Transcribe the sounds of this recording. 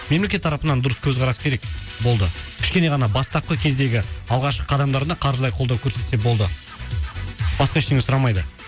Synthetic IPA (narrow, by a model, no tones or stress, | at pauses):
me̞mle̞kʲe̞t̪ʰːɑɾɑpənɑnd̪ʊɾəskʲʰɵzʁɑɾɑsə̥kʲeɾekbo̞lˠd̪əkʲʰɪʃkʲe̞ne̞ʁɑnɑbɑst̪ɑp̚qəkʲʰe̞zd̪e̞ɡʲɪɑlˠʁɑʃqə̥qʰɑd̪ɑmd̪ɑɾd̪ɑqʰɑɾʒəlˠɑjqʰolˠd̪ɑwkʲʰɵɾse̞t̪ebo̞lˠd̪ə | b̥ɑsqɑɪʃt̪eŋesʊɾɑmɑjd̪ə